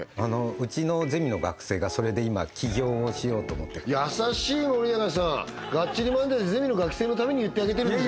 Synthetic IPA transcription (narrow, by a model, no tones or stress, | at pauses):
ano̞ɯ̟t͡ɕino̞zemʲino̞ɡa̰kɯ̟̥se̞ːɡaso̞ɾe̞d̪e̞ima̰kʲʰiɡʲo̞ːoɕijo̞ːt̪oːmo̞̰t̪ːejasaɕiːmoɾʲinaɡas̬ã | ɡat͡ɕːɕiɾʲimãnd̪eze̞mʲino̞ɡakɯ̥se̞ːno̞t̪ame̞ɲ̟ijɯ̟t̪ːe̞aɡe̞t̪̬eɾɯ